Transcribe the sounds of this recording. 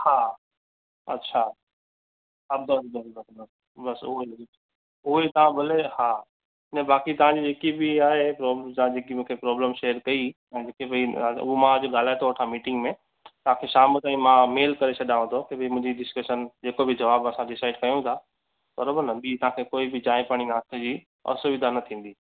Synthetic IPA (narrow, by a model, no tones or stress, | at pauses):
ha | ɐ̰tːɕʰa | ɐb̚d̪ɐd̪ɐsd̪ɐsd̪ɐ | bɐsuɦe | uɦet̪ɐʋ̤ãbʱɐleha | nɛ̃baːkit̪ɐʋ̤ãd͡ʑid͡ʑeːkibʱiaːɦepɾɔːblt̪ɐãd͡ʑeːkimũkʰepɾɔːbləmʃeːəɾkɐĩ | d͡ʑeːkebiuɦomãd͡ʑoɠaːl̤aːet̪ʰoɐʈʰamiːʈɪ̃ŋɡmẽ | t̪ɐʋ̤ãkʰeʃaːmʊt̪ãĩmãmeːlkɐɾet͡ɕʰɐɗãʋ̃t̪ʰot̪ɐbʱimʊ̃ɦɪ̃ɲd͡ʑiɖɪskəʃənd͡ʑeːkobʱɪd͡ʑɐʋaːbɐsãɖɪsaːɪɖkɐjũt̪ʰa | pɐɾbʊnɐbit̪ɐɦãkʰekoːibʱɪd͡ʑaːĩpaːɽ̃inaːst̪ʰed͡ʑi | ɐ̰soʋɪd̪ʱanɐt̪ʰĩːn̆d̪iː